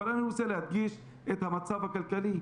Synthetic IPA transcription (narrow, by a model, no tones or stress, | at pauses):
ɐɾɐnuseleɐd̪jiːʃ | et̪ʰɐmɐt̪saːfɐkɐlkɐli